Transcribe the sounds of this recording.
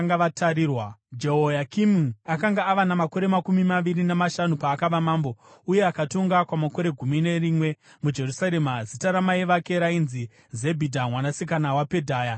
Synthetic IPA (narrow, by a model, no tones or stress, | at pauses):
ŋɡaʋatʰaɾiːrwad͡ʒeɦojakimuakaŋɡaːʋanamako̞ɾe̞makumimaʋirinamaʃanupaːkaʋamaːmbo̞uje̞akato̞ŋɡakwamako̞ɾe̞ɡʱumine̞riːmwe̞ | mud͡ʒe̞rusaɾe̞mazitaɾamaiʋake̞ɾainzi | ze̞bʱidʱamwanasikanawape̞dʱaːja